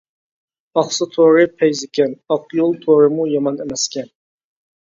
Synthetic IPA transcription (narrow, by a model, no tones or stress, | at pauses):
ɑχsɨt̪ʰoɾɪpʰɛjzɪkʲʰɛnɑqjolˠt̪ʰoɾɪmujɑmɑnemɛskʲʰɛn